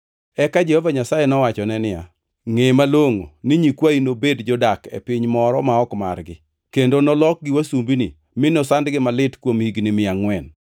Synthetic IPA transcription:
ɛkad͡ʒehɔvaɲasajenɔwat͡ʃɔnɛnɪja̰ | ŋemaloŋo̰nɪɲikwainobedd͡ʒɔdakḛpɪɲmɔɾɔmaɔkma̰rɡɪ | kendonɔlɔk̚ɡɪwasumbinḭ | mɪnɔsandɡɪmalɪtkwomhiɡnɪmɪaŋwɛn

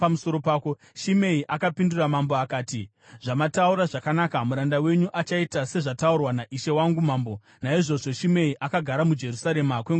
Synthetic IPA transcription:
pamuso̞ɾo̞paːko̞ | ʃime̞iʔakapinduramambo̞akaːti | ʐ̥amatauɾaʐakanaːkamuɾandawe̞ɲuʔat͡ʃaitase̞ʐataurwanaʔiʃe̞waŋɡumaːmbo̞ | naiʐo̞ʐo̞ʃime̞iʔakaɡʱaɾamud͡ʒe̞rusaɾe̞makweŋ

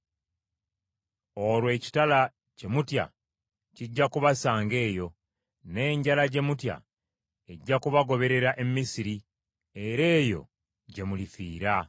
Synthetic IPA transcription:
o̞lwe̞ːci̥tala | ce̞mutja̰ | ciɟːakuβasaːŋɡe̞ːjo̞ | ne̞ːɲɟalaɟe̞mutja̰ | e̞ɟːakuβaɡo̞βe̞ɾe̞ɾaʔe̞mːisiɾi | e̞ɾe̞ːjo̞̰ | ɟe̞mulifiːɾa

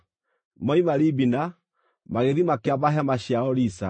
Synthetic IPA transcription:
mɔimaɾibina | maɣeðimakeaβaɦamaɕiaɔlisa

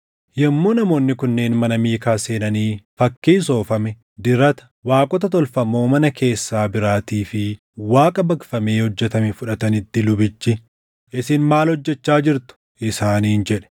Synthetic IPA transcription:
jɛmːoːnɐmo̞ːnːɪkʊnːe̞ːnmɐnɐmiːkaːse̞ːnɐniːfɐkːiːs̬o̞ːfɐmɛ | d̪ɪɾɐt̪ɐ̥ | waːkʼɔt̪̬ɐt̪̬ɔlfɐmːo̞ːmɐnɐkʰe̞ːsːaːbɪɾaːt̪iːfɪ | waːkʼɐbɐkfɐme̞ːhɔd͡ʒːɛt̪ɐmɛfʊᶑɐt̪ɐnɪt̪ːɪlʊbɪt͡ʃːɪ | ʔɪsɪnmaːlhɔd͡ʒːɛt͡ʃːaːd͡ʒɪɾt̪ʊ̥ | ʔɪsaːniːnd͡ʒɛᶑɛ̥

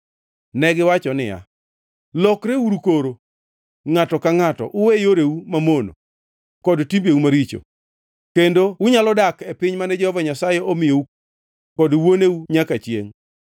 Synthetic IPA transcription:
nɛɡɪwat͡ʃɔnɪ̰ja̰ | lɔkɾeuɾukoɾo | ŋatɔkaŋatɔ̰ʔʊwejoɾeumamono̰ | kɔdtimbeumaɾit͡ʃo̰ | kendowʊɲalɔdakepɪɲmanɛd͡ʒɔhɔvaɲasajɛʔomɪjou | kɔdwoneuɲakat͡ʃjḛŋ

